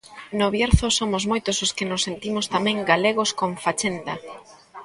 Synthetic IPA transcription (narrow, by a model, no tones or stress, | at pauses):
nʊβjeɾθʊsomʊzmojt̪ʊsoskɪnʊsːent̪imʊst̪amɛ̃ŋɡaleɣ̞oskoɱfat͡ʃend̪ɐ